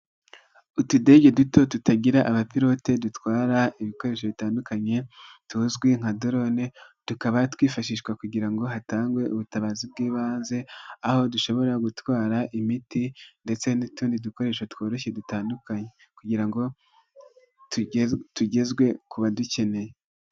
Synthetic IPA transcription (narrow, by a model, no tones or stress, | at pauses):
utude̞ɟe̞duto̞tutaɟiɾaʔaβapiɾo̞te̞dutwaːɾaiβiko̞ɾe̞ːʃ̬o̞βitaːndukaɲe̞ | tuzɡwiŋ̥adoɾo̞ned̥ukaβatwiːfaʃiʃkwakuɟiɾaŋɡo̞ɦataːŋɡwe̞ʔuβutaβaːzibɡiːβaːnze̞aho̞duʃo̞βo̞ɾaɡutwaːɾaʔimitinde̞t͡se̞nituːndiduko̞ɾe̞ːʃotwo̞ːɾe̞ʃe̞dutaːndukaɲe | kuɟiɾaŋɡo̞ | ttuɟe̞zɡwe̞kuβaduce̞ne̞je